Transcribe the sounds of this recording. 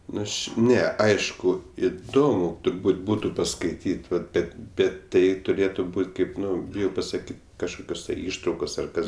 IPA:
ˈnʊ ˈɐʃ ˈnʲɛ ˈɐɪʃkʊ ɪˈdoːmʊ tʊrˈbuːt ˈbuːtʊ pɐskɐɪˈtʲiːtʲ ʋɐt ˈbʲɛt ˈbʲɛt ˈtɐɪ tʊˈrʲeːtʊ ˈbuːtʲ ˈkɐɪp ˈnʊ bʲɪˈjɛʊ pɐsɐˈkʲiːtʲ kɐʃˈkoːkʲoːs tɐɪ ˈɪʃtrɐʊkoːs ɐr ˈkɐs

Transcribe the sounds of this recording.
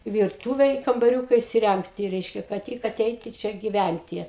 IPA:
ʋʲɪrˈtuːʋʲɛ ɪ kɐmbɐˈrʲuːkɐ ɪsʲɪˈrʲæŋktʲɪ ˈrʲɛɪʃʲkʲɛ kɐt ˈtʲɪk ɐˈtʲɛɪtʲɪ ˈt͡ʃʲɛ ɡʲɪˈʋʲænʲtʲɪ

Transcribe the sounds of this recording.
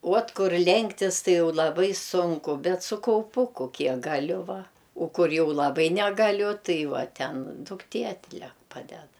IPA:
uɔt ˈkʊr ˈlʲɛŋktʲɪs ˈtɐɪ ˈjɛʊ lˠɐˈbɐɪ ˈsʊŋkʊ ˈbʲɛt sʊ kɐʊˈpʊkʊ ˈkʲiɛk ɡɐˈlʲʊ ˈʋɐ oː ˈkʊr ˈjɛʊ lˠɐˈbɐɪ nʲɛɡɐˈlʲʊ ˈtɐɪ ˈʋɐ ˈtʲɛn dʊkˈtʲeː ɐtʲˈlʲɛk ˈpɑːdʲɛt

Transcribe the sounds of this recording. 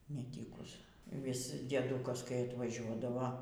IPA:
nʲɛˈtʲiːkʊs ʋʲɪs dʲiɛˈdʊkɐs kɐɪ ɐtʋɐˈʒʲuɔdɐʋoː

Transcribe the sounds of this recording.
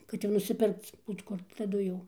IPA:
kɐt ˈjɛʊ nʊsʲɪˈpʲɪrkt͡s ˈbuːt kʊr tɐˈdʊ jɛʊ

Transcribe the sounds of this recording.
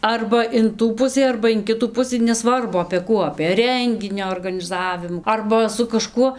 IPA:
ˈɐrbɐ ɪn ˈtuː ˈpʊsʲiː ɐrbɐ ɪn ˈkʲɪtuː ˈpʊsɨ nʲɛˈsʋɐrbʊ ɐpʲeː ˈkuː ɐpʲeː ˈrʲɛŋʲɡʲɪnʲoː oːrɡɐnʲɪˈzɑːʋʲɪmuː ˈɐrbɐ sʊ kɐˈʃkuɔ

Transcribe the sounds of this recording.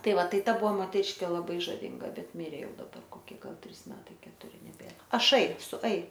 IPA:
ˈtɐɪ ˈʋɐ ˈtɐɪ ˈbʊʋoː moːtʲɛˈrʲɪʃʲkʲeː lˠɐˈbɐɪ ʒɐˈʋʲiːŋɡɐ ˈbʲɛt ˈmʲɪrʲeː ˈjɛʊ dɐˈbɐr koːˈkʲiɛ ˈɡɐlˠ ˈtʲrʲiːs ˈmʲæːtɐɪ kʲɛtʊˈrʲɪ nʲɛˈbʲeːr ɐˈʃɐɪ sʊ ɐɪ

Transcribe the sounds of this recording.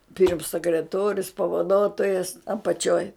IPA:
pʲɪrms sʲɛkrʲɛˈtoːrʲʊs pɐʋɐˈdoːtoːjɛs ɐpɐˈt͡ʃʲoːj

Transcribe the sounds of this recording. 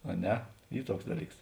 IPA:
ɐ ˈnʲɛ ˈiː ˈtuɔks ˈdɑːˌlʲiːks

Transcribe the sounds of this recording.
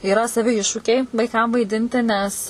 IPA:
iːˈrɐ sɐˈʋʲɪ ˈɪʃʃuːkʲɛɪ ʋɐɪˈkɐm ʋɐɪˈdʲɪnʲtʲɪ nʲɛs

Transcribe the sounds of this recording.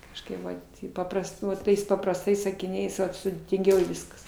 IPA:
kɐʃˈkɐɪp ˈʋɐt ɪ ˈpɑːprɐst ˈnʊ ˈtɐɪs pɐprɐsˈtɐɪs sɐkʲɪˈnʲɛɪs ˈʋɐt sʊdʲeːtʲɪŋʲˈɡʲɛʊ ˈʋʲɪskɐs

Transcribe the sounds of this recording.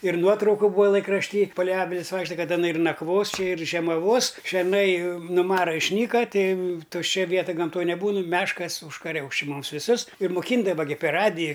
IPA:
ɪr ˈnuɔtrɐʊkʊ ˈbuːɐ lˠɐɪkrɐʃʲˈtʲiː pɐlʲɛɪ ˈɑːʋʲɪlʲɪs ˈʋɐɪkʃtɐ ˈkɐt ɐˈnɐ ɪr nɐkˈʋoːs ˈt͡ʃʲɪ ɪr ʒʲiɛmɐˈʋoːs ʃʲɛrˈnɐɪ nʊ ˈmɑːrɐ ɪʃʲˈnʲiːkɐ ˈtʲɛɪ tʊʃʲˈt͡ʃʲɛ ˈʋʲiɛtɐ ɡɐmˈtoːj nʲɛˈbuːnʊ ˈmʲæːʃkɐs ʊʃkɐˈrʲɛʊs t͡ʃʲɪ ˈmʊms ʋʲɪˈsʊs ɪr mʊˈkʲiːɪndɐʋɐ ɡʲɪ pʲɛr ˈrɑːdʲɪjɪ

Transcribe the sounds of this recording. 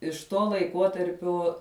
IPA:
ɪʃ ˈtuɔ lˠɐɪˈkuɔtɐrʲpʲuɔ

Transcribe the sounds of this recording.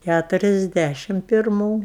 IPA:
kʲætʊrʲɛzʲˈdʲæʃʲɪm pʲɪrˈmuː

